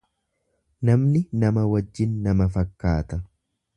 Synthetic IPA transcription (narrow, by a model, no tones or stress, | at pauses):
nɐmnɪnɐmɐwɐd͡ʒːɪnːɐmɐfɐkːaːt̪ɐ